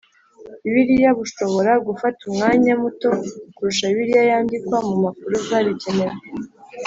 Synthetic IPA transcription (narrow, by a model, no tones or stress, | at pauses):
iβiɾijaβuʃo̞βo̞ɾaɡufatumŋaːɲamuto̞kuɾuʃaiβiɾijajaːndikwamumakuɾuzaβice̞ne̞ze